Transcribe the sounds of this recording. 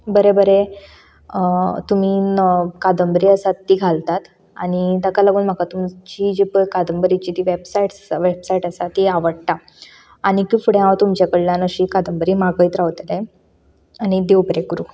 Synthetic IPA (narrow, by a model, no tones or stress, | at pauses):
bəɾebəɾe | t̪um̤iːkad̪əmbəɾiːəsat̪ːiːɡʱalt̪at̪ | aɽ̃id̪əkalaɡuːnm̤akat̪umt͡ɕid͡ʑipəkad̪əmbəɾit͡ɕiːt̪iːʋebsaiʈʋebsaiʈəsat̪iaʋəɽt̪a | aɽ̃ikifuɽẽãwt̪umt͡ɕakəɽljanəɕiːkad̪əmbəɾiːmaɡəit̪ɾaʋt̪lẽ | añid̪eubɾekɾuː